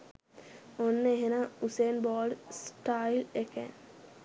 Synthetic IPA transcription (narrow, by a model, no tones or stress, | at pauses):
onːəeɦenauseːnbɔːɖsʈailekɛ̰n